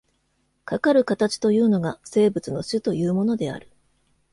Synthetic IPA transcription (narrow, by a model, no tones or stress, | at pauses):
kakaɾɯ̟kat̪at͡ɕi̥t̪o̞jɯ̟ːno̞ɡase̞ːbɯ̟t͡sɨno̞ɕɨt̪o̞jɯ̟ːmo̞no̞d̪e̞a̰ɾɯ̟̥